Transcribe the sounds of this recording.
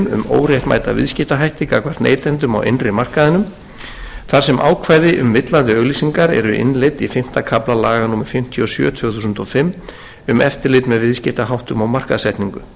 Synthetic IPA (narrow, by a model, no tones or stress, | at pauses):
mʏ̰mo̰ːwrjɛjht̪ma̰jt̪a̰vɪ̰ðscɪht̪aɦajht̪ɪkakvar̥t̪nḛːjt̪ɛnt̪ʏma̰wʔḛnrɪmar̥kaðɪnʏm | θaɾ̥sɛmʔa̰ːwkʰvaːjðɪʔʏmvɪt̪lant̪ʏœɣliːsiŋkaɾɛ̰ɾʏʔɪ̰nlejt̪ifɪm̥t̪akʰaplalaːɣanuːmɪɾ̥fɪm̥t̪ʰjiɔsjœ̰ːt̪ʰv̥œːθuːsʏnt̪ɔfɪmː | ʏmɛft̪ɪɾlɪt̪mɛðvɪðscɪht̪aɦawht̪ʏmawmar̥kaðsɛht̪niŋkʏ